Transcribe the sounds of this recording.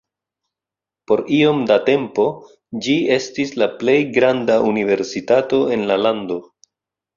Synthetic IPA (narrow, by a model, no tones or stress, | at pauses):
po̞ɾio̞mdate̞mpo̞ | d͡ʒie̞stislaple̞jɡɾandaunive̞ɾsitato̞e̞nlalando̞